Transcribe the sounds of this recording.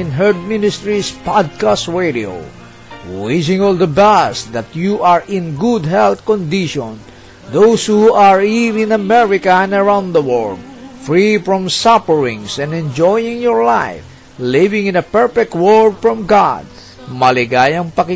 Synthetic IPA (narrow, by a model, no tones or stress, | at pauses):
ɪ̃nɦɛɹd̪̚mɪnɪst̪ɹispad̪̚kastɹeɾio̰ | wɪʃɪ̃ŋɔlˠd̪əbɛsd̪at̪juʔaɹɪ̃nɡud̪ɦɛlθkɔ̃nd̪iʃɔ̃n | d̪oshuuaɹivɪ̃nɐmɛɹɪkaɛ̃nəɹãw̃nd̪d̪əwɔldfɹifɹɔ̃msapəɹɪ̃ŋsɛ̃ndɛ̃nd͡ʒɔjɪ̃ŋjɔɹlaɪf | lɪvɪ̃ŋɪ̃nɐpɛɹfɛk̚t̪̚wɔɹfɹɔ̃mɡa̰d̪̚ | mɐlɪɡajɐ̃ŋpɐkɪ